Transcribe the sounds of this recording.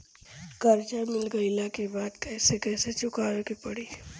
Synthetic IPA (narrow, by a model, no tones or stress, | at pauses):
kɐɾd͡ʒamɪlɡəilakebaːd̪kɛːsekɛːset͡ʃʊkaːɾkipɐɽiː